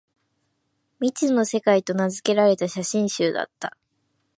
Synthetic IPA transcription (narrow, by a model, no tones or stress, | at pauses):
mʲit͡sɨno̞se̞kait̪o̞nazɨke̞ɾaɾe̞t̪aɕaɕĩɰ̃ɕɨːd̪a̰t̪ːa̰